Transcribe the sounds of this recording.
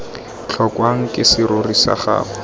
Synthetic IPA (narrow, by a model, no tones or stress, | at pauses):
t͡ɬʰɔkwaŋ̩kʼɪsɪɾʊrisa̰χa̰ːχɔ